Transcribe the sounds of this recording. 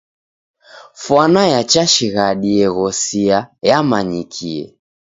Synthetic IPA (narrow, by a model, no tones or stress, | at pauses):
fwanajat͡ʃaʃiɣaɗiɛɣɔsiajamaɲikʰiɛ̰